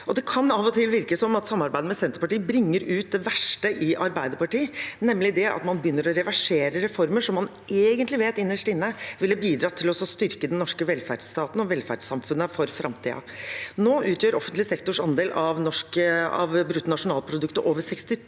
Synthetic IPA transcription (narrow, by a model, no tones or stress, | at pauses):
ɔd̪ɛkʰɑnɑʋɔt̪ʰɪlʋɪɾkəsɔmɑt̪sɑmːɑɾbæɪd̪əmɛsɛnt̪əpɑʈiːbɾɪŋːəɾʉːt̪̚d̪ɛʋæʂʈəʔɪʔɑɾbæɪd̪əpɑʈiːnɛmːlɪd̪ɛʔɑ̰t̪mɑnbəjʏnːəɾɔɾɛʋæʂeːɾəɾɛfɔɾməʂɔmːɑn | ʔeːɡənt̪lɪʋeːt̪ɪnːəʂʈɪnːəʋɪlːəbiːd̪ɾɑːt̪ʰɪlɔsɔst̪ʏɾkəd̪ɛnnːɔʂkəʋɛlfæ̰ɖst̪ɑːt̪n̩ɔʋɛlfæ̰ɖsɑmfʉnːəfɔɾfɾʔɑmt̪ʰḭːɑ̰noːʔʉːt̪jøːɾɔfənt̪lɪsɛkt̪ʊʂɑnd̪eːlʔɑʋnɔʂkəɑ̰ʋbɾʉt̪ːnɑʂʊnɑːlpʰɾʊd̪ʉkt̪əɾʔoːʋəsɛkst̪ɪ